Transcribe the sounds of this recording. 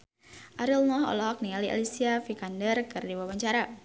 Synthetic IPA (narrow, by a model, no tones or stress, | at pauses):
ʔaɾilnɔhɔ̰lɔɔk̚nialiʔa̰lisiafikandərkɨrdiwabaɲt͡ʃaɾa